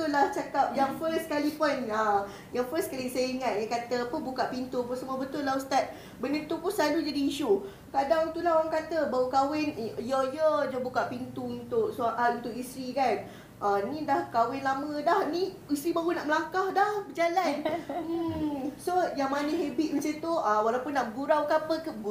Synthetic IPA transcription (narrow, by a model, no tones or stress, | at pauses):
t̪ʊlaht͡ʃakap̚jaŋfəskalipʊna | jaŋfəskalisajəiŋat̪̚jəkat̪əpʊnbukaʔpint̪upunsəmuabət̪ʊlːahust̪at̪̚ | bənənt̪upʊnsadud͡ʒadiːʃu | kadaŋt̪ulaɦoɾaŋkat̪əbawəkawɪnjəjəd͡ʒəbukaʔpint̪uunt̪ʊk̚suaʔalunt̪ʊkist̪ɾikan | ʔanĩdahkawɪnlamə̃dahni | ist̪ɾibaɾunaʔməlakahdahbəd͡ʒalan̩ | sojaŋmanəɦebit̪̚masant̪uəwalawpʊnːaʔɡuɾawkapəkə